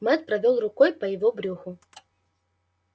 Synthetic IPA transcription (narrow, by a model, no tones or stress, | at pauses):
mɛt̪̚pɾɐvʲɔlˠrʊkɔjpɐjɪvɔbɾʲuxʊ